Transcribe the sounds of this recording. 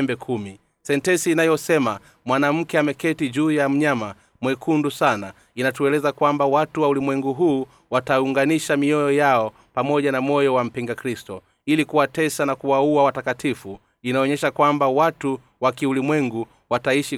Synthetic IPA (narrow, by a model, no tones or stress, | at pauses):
mbɛkʰumi | sɛntɛsiːnajɔsɛma | mwanam̩kɛamɛkɛtiʄuːjam̩ɲama | mwɛkʰundusana | inatuɛlɛzakwambawatuwaulimwɛŋɡuɦuː | watauŋɡaniʃamiɔjɔjaɔ | pamɔʄanamɔjɔwam̩piŋɡakɾistɔ | ilikuwatɛsanakuwauawatakatifu | inaɔɲɛʃakwambawatu | wakiulimwɛŋɡu | wataiʃi